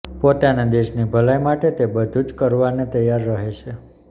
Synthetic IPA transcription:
pot̪anad̪eʃnibʱəlajmaʈet̪ebəd̪ʱud͡ʒkəɾʋanet̪əjaɾːəɦet͡ʃʰe

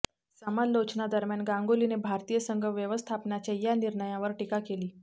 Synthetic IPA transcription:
samallot͡ɕnad̪əɾmjanɡãŋɡolinebʱaɾt̪ijəsəŋɡʱəʋjəʋəst̪ʰapnat͡ɕajaniɾɳəjãʋəɾʈikakeliː

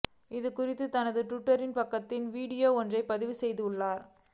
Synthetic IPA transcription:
ɪðɯkʊrɪt̪ːɯt̪ɐnɐðɯʈʊʈːɐɾɪnpɐkːɐt̪ːɪnʋiːɽɪjoːɔndrɐɪpːɐðɪʋɯsɛjðɯɯɭːaːɾ

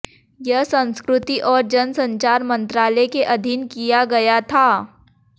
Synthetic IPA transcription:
jɐɦsɐ̃nskɾʊt̪iʔɔːɾd͡ʒɐnsɐ̃ɲt͡ʃaːɾmɐ̃nt̪ɾaːlɛkeʔɐd̪ʱɪnkijaɡɐjat̪ʰaː

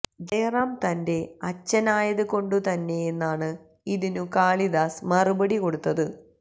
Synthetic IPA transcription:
d̪eːraːmt̪ɐnde̞ɐt͡ɕːɐnaːjɐðɨko̞ɳɖut̪ɐnːe̞enːaːɳɨ | iðinukaːɭiðaːsmɐrubɐɽiko̞ɽut̪ːɐðɨ

